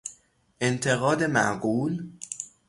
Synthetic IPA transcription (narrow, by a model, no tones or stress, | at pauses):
ʔe̞nt̪ʰe̞ɣɒːd̪e̞mæ̰ʔɢuːl